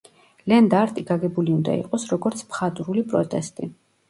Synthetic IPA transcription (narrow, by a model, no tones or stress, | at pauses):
lɛnd̪aɾt̪ʼiɡaɡɛbuliund̪a̰ḭqʼɔsɾɔɡɔɾt̪sʰpχat̪ʼɾulipʼɾɔt̪ʼɛst̪ʼi